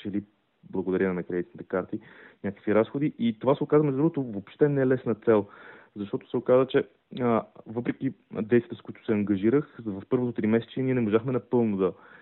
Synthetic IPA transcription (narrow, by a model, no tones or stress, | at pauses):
t͡ʃɛli | blˠɐɡod̪ɐɾʲinɐmɛkɾɛd̪it̪nit̪ɛ̥kaɾt̪i | nʲakə̥kviɾasxod̪iʔit̪ovasɛokazvɐmɛzd̪uɡət̪ovopʃt̪ɛnɛlɛsnət̪sɛlˠzɐʃt̪ɔt̪o̥sɛokazvət͡ʃɛ | vɤpɾɛkid̪ɛt̪svʲit̪əskʊit̪ʊ̥sɛɐŋɡɐʒiɾəxvɐfpɤɾvot̪ot̪ɾimɛsɛ̥t͡ʃiniɛnɛmoʒaxmɛnɐpɤlˠnod̪ɐ